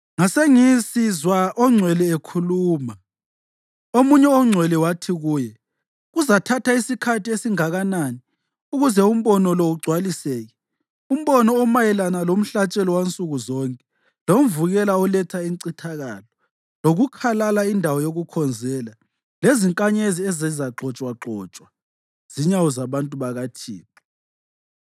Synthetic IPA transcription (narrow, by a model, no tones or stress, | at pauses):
ŋaseŋisizwaʔɔŋ͡ǀʱwɛlɛekʰuluːma | omuɲɛɔŋ͡ǀʱwɛlɛwatʰiɣuːjɛ | ɣuzatʰataisikʰatʰiesiŋaɣanani | uɣuzɛum̩βɔnɔlɔuɡ͡ǀʱwalisɛːɣɛ | um̩βɔnɔːmajɛlanalom̩ɬat͡ʃʼɛlɔwant͡sʼuɣuzɔŋkʼɛ̥ | lom̩vuɣɛlaɔlɛtʰaiŋǀitʰaɣalɔ | loɣukʰalalaindʱawɔjoɣukʰɔnd͡zʱɛːla | leziŋkʼaɲeziɛzɛzaǁʱɔt͡ʃʼwaǁɔːt͡ʃʼwa | z̥iɲawɔzaβantʼuβaɣatʰḭːni